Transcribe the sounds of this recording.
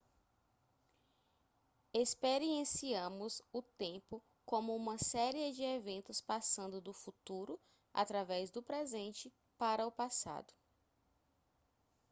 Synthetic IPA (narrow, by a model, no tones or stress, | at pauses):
espeɾiẽsiɐ̃mʊzʊt̪ẽpʊ | kõmʊũmɐsɛɾiɪd͡ʒɪevẽnt̪ʊspasɐ̃nd̪ʊd̪ʊfut̪uɾʊ | a̰t̪ɾavɛzd̪ʊpɾezẽnt͡ʃɪ | paɾɐʊpasa̰d̪ʊ